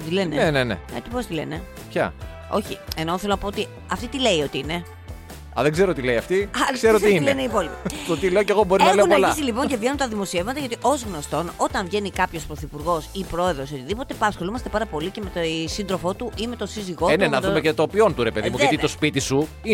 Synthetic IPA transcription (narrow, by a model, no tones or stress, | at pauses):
t̪ilenenenenḛet̪ipost̪ile̞̰ne | pçɐ̰ | o̞̰çie̞noθelonɐpoot̪i | ɐft̪it̪ile̞io̞t̪iine̞ | ɐ̰ðeɡze̞ɾot̪ileiɐft̪iɐkseɾot̪iinleneipo̞lipit̪ot̪ile̞oceɣobo̞ɾinɐleunolɐzilipo̞ɲcevʝe̞nunt̪ɐðimo̞sievmɐt̪ɐʝɐt̪iʔo̞zɣno̞st̪o̞no̞t̪ɐɱvʝe̞nikɐpço̞spɾoθipuɾɣo̞sipɾo̞e̞ðɾo̞sot̪iðipo̞t̪e̞pɐsxo̞lumɐst̪e̞pɐɾɐpo̞lice̞me̞t̪osind̪ɾo̞fo̞t̪uʔime̞t̪o̞siziɣo̞nenɐðumecet̪opio̞nt̪uɾepeðimuðʝɐt̪it̪ospit̪isu | i